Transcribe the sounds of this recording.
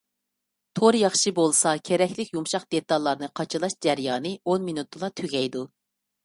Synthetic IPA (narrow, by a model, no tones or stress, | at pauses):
t̪ʰoɾjɑχʃɨbolˠsɑkʲʰeɾɛkʲlɪkʲjumʃɑqd̪̥et̪ːɑlˠːɑɾnɨqʰɑt͡ʃʰɨlˠɑʃd͡ʒæɾjɑːnɨonminut̪̚d̪olˠɑt̪ʰyɡʲɛjd̪u